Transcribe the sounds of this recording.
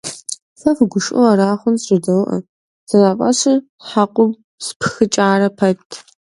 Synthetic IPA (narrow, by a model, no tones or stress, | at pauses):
fɐfɡʷʊʂʔʊ̰ɐɾaːχʷʊnɕʼɪdɐwʔɐ̰ | z̥ɐzaːpʼɐɕɪr | ħaːqʷʊm | spʰxɨt͡ʃʼaːɾɐpʰɐtʰ